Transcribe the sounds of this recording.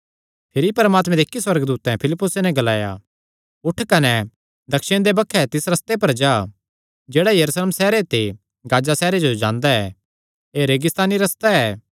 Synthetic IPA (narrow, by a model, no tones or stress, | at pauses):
pʰɪɾipɐɾəmaːt̪mɛ̃d̪eːkːiswɐɾəɡd̪uːt̪ɛ̃pʰɪlɪpːʊsenɛɡɐlaːja̰ | ʊʈʰkɐnɛ | d̪ɐkʃɪɽ̃d̪ebɐkʰːɛt̪ɪsɾɐst̪epɐɾd͡ʒaː | d͡ʒeːɽajɐɾuːsleːmsɛːɾet̪e | ɡaːd͡ʒasɛːɾed͡ʒod͡ʒãːnd̪aɛ | eɾeːɡɪst̪aːniɾɐst̪aɛː